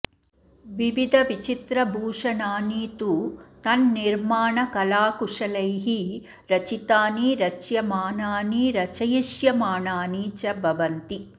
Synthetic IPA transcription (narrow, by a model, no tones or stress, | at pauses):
ʋiʋid̪ʱɐʋit͡ʃit̪ɾɐbʱuːʂɐnaːniːt̪ut̪ɐnːiɾmaːɳɐkɐlaːkuʂɐlɐjɦi | ɾɐt͡ʃit̪aːniɾɐt͡ʃjɐmaːnaːniɾɐt͡ʃɐjiʃjɐmaːnaːniːt͡ʃɐbʱɐʋɐnt̪i